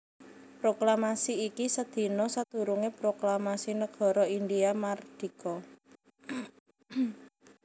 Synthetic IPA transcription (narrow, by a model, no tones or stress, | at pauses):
pɾoklamasiːkisəd̪̥i̤nɔsat̪ṳɾuŋepɾoklamasinəɡ̥ɔ̤ɾɔindiamard̪̥i̤kɔ